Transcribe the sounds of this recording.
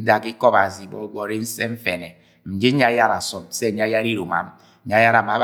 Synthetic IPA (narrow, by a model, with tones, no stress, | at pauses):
da˨ki˦kɔ˦ba˨zi˨bɔ̰˦ɡʷɔ˨ɾe˦n̩˦sɛ˦ɱ̩˦fɛ˨nɛ˨ | m̩˨d͡ʒe˦ɲ˦a˦ja˦ɾa˨sɔ˨msɛ˦˨ɲ˦a˦ja˦ɾi˦ɾo˨ma̰˨m̩˦ | ɲa˦ja˦ɾa˨m˨a˨˦b